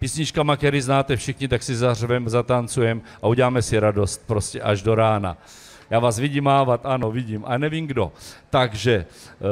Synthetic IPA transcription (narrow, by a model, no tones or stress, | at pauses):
piːsɲɪt͡ʃkamakt̪ɛɾiznaːt̪ɛfʃɪxɲɪt̪aksɪzarvɛmzat̪ant͡sujɛmʔauɟɛlaːmɛsɪɾado̞st̪̚pɾoscɛʔaʒdoɾaːna̰ | jaːvaːsvɪɟimaːvat̪ʔano̞vɪɟimʔa̰ɛnɛviːmɡdo̞t̪aɡʒɛ